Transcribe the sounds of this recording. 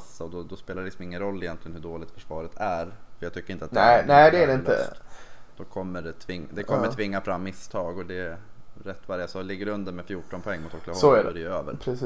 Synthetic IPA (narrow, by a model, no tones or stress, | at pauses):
asːaɔd̪ɔd̪ɔspeːlaɾɛlɪksɔmɪŋːənɾɔlːɪjɛnt̪lɪɡənhɵɖoːlɪɡ̚t̪fœʂvɑːɾət̪ʰæɾfœɾjɑɡt̪ʏkːəɾɪnt̪at̪̚nɛnæɪd̪ɛædɛɪnə̰t̪d̪̥ɔkʰɔmːəɖɛt̪ʰvɪŋd̪ɛkɔmːətʰvɪŋːafɾamːɪst̪ʰɑːɡɔd̪ɛɛɾɛt̪ːvaɾjasɑːlɪɡːəɾɵnd̪əɾmɛfjuːʈɔnpʰɔɛŋːmʊt̪ʰhɔkːlasɔæɖdɾɛøːvə̰ɾpʰɾɛs